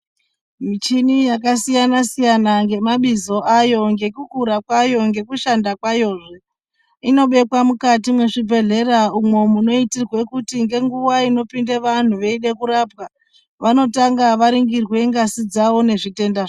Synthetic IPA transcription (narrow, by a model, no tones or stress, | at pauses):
mit͡ʃinijakasijanasijanaŋɡe̞maɓizo̞ʔajo̞ŋɡe̞kukuɾakwajo̞ŋɡe̞kuʃandakwajo̞ːʐe | ino̞ɓe̞kwamukatimwe̞ʐibʱe̞ɮe̞ɾaumwe̞muno̞itirwe̞kutiŋɡe̞ŋɡuʋaino̞pindeʋan̤uʋe̞iɗekuɾapka | ʋano̞taŋɡaʋaɾiŋɡirwe̞ŋɡasid͡zawo̞ne̞ʐite̞ndaʐ